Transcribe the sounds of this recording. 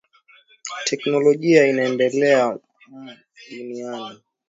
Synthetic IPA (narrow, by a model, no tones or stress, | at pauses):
tʰɛknɔlɔʄiainaɛndɛlɛa | m | ɗuniani